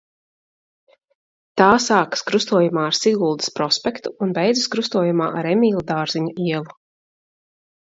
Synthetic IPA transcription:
t̪aːsaːkḁskɾust̪uɔjumaːaɾsiɡulˠd̪i̥spɾɔspɛkt̪uːnbɛjd̪zɨskɾust̪uɔjumaːʔaɾemʲiːlˠad̪aːɾziɲuiɛlˠu

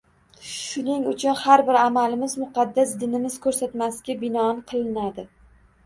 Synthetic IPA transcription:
ʃʊnɪŋʊt͡ʃʰʊnhaɾbɪɾamalɪmɪzmʊqʰɑd̪ːasd̪ɪnɪmɪz̥kʰɵɾsat̪masɡʲabɪnɒnqʰɨlˠɪnad̪ɪ

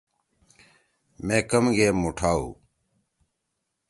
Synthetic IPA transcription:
mẽːkəmɡʱeːmuːʈʰaːṵː

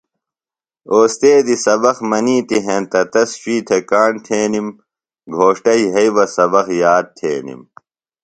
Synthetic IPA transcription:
oːst̪eːd̪isɐbɐxmɐniːt̪iɦẽnt̪ɐt̪ɐsɕiːt̪ʰekaːɳt̪ʰeːnim | ɡʱoːʂʈɐiɦɐiʋɐsɐbɐxjaːd̪̚t̪ʰḛːnḭm

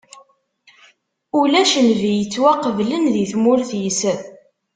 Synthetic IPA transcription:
ulæʃənvijət͡sːwæqəvlənðiθmʊɾθjisəð

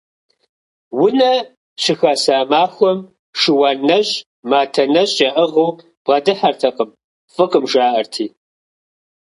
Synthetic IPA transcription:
wʊnɐ | ɕɪxaːsaːmaːxʷɔm | ʂɪwɐnɐɕʼ | maːtʰɐnɐɕʼjɐʔəʁɐw | b̥ʁɐdɨħɐrtʰɐqəm | fʼɨqʼəmʒaːʔɐrtʰiː

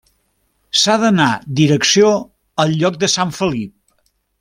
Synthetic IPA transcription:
saðənad̪iɾəksio | əlˠʎɔk̚d̪əsaɱfəlip̚

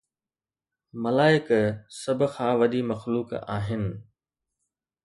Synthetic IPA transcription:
mɐlaːɪksɐbʱkʰãːʋɐɗimɐxluːka̰ːɦɪnɪ̆

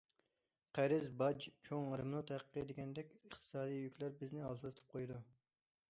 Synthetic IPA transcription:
qʰæɾɪzbɑd͡ʒt͡ʃʰoŋɾɨmnut̪ʰɛhæqʰːəd̪eɡʲɛnd̪ɛkʲəχt̪ʰɨ̥sɑːd̪ijjykʲlæɾbɪznɪɑlˠt̪ɨlˠɨt̪ʰɨ̥p̚qʰojd̪u

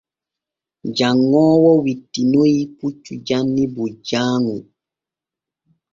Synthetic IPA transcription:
d͡ʒaŋːɔːwɔwitːinojiput͡ʃːud͡ʒanːibud͡ʒaːŋu

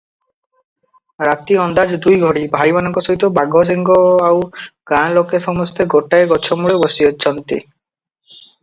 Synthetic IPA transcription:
ɾat̪iɔnd̪ad͡ʒd̪ujɡʱɔɽibʱajmanɔŋkɔsɔɦit̪ɔbaɡʱɔs̬iŋɡɔawɡ̥ãlokesɔmɔst̪eɡoʈaeɡɔt͡ʃʰɔmuɭebɔsiɔt͡ʃʰɔnt̪ḭ

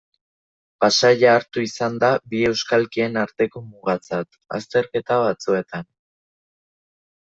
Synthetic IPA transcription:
pasaʝaːɾt̪uisand̪abie̞wskalkie̞naɾt̪e̞ko̞muɣat͡sat̪ | a̰st̪e̞ɾke̞t̪aβ̞at͡sue̞t̪an

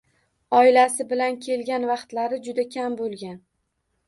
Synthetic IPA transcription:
ɒɪlasɪbɪlankʲʰe̞lɡʲanvɑqt̪laɾɪd͡ʒʊd̪akʲʰambolˠɡʲan

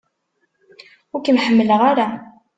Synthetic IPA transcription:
ʊɾkənħəmːələʁaɾa

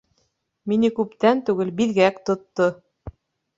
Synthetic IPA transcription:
minɘkʉpt̪ænt̪ʉɡɘlbilɡækt̪ŏt̪ːo

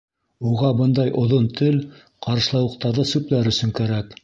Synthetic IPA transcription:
uʁɑbɤnd̪ɑjʔŏðont̪ʰɘl | qɑɾɤ̆ʃlˠɑwɤ̆q̚t̪ɑɾðɤsʉplæɾɵ̆sɵ̆ŋkæɾæk

